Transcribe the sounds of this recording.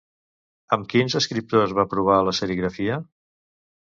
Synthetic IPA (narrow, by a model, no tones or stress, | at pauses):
əmkinzəskɾip̚t̪ozβapɾuβ̞aləsəɾiɣɾəfiə